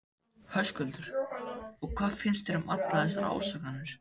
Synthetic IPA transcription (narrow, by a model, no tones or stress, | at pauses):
hœskʏlt̪ʏɾ̥ɔɣkʰvaːðfɪnst̪ɛɾʏmat̪laðɛs̬ːaɾa̰ːwsaknanʏɾ̥